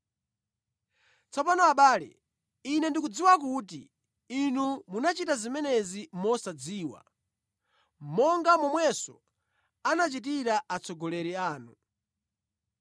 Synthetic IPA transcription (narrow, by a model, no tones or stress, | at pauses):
t͡sɔpanɔaɓaːlɛ̰ | inɛndikud͡ziwak̬ut̬ḭ | inumunat͡ʃitazimɛnɛzimɔsad͡ziːwa̰ | mɔŋɡamɔmwɛsɔ̰ | anat͡ʃit̬iɾaʔat͡sʰɔɡɔlɛɾiaːnu